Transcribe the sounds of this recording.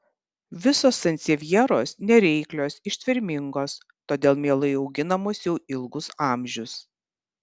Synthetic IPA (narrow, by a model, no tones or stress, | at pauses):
ʋʲɪsoːsɐnʲt̪sʲɛʋʲiɛɾoːsnʲɛɾʲɛɪklʲoːsɪʃʲt̪ʲʋʲɪɾʲmʲɪŋɡoːs | t̪oːd̪ʲeːlˠmʲeːlˠɐɪɒʊɡʲɪnɐmoːsjɛʊʔɪlˠɡʊsɑːmʲʒʲʊs